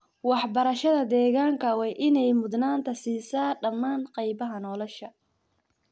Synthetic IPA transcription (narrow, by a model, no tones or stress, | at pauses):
wɑħbɐɾɐʃɐðɐd̪ɛːɣaːŋkʰɐwɛjʔɪnɛjmʊd̪naːnt̪ʰɐsiːsaːɖɐmːaːnqɑjbɐɦɐnɔːlɔʃɐ